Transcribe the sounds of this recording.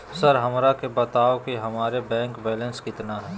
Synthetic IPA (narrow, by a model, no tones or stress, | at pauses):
sɐɾɦɐmɾakebɐt̪aːokiɦɐmaːɾebɛ̃ːŋkbɛːlə̃nskɪt̪naɦɛː